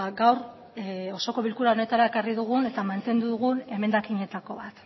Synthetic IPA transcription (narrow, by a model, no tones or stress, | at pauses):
ɡawɾ | o̞so̞ko̞βilkuɾao̞ne̞t̪aɾae̞kariðuɣ̞une̞t̪amant̪e̞nd̪uðuɣune̞me̞nd̪akiɲe̞t̪ako̞βat̪